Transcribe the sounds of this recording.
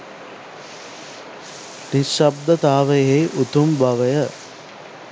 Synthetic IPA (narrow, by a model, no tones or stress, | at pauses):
niʃɐb̚d̪ət̪aːʋəjejʔut̪umbɐʋəjə